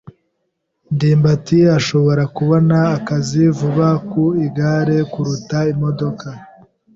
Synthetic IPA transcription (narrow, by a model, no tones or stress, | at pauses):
ndiːmbatiaʃo̞βo̞ɾakuβo̞naːkazivuβakuiɡaɾe̞kuɾutaimo̞do̞ka